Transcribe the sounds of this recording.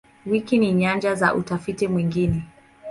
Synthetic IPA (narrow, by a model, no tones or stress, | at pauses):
wikiniɲand͡ʒaza̰ʔutafitimwiŋɡinɛ